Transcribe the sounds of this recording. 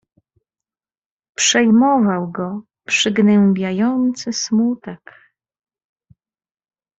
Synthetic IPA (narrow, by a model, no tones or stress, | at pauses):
pʂɛjmɔvawɡɔ | pʂɘɡnɛmbʲjajɔnt̪sɘsmut̪ɛk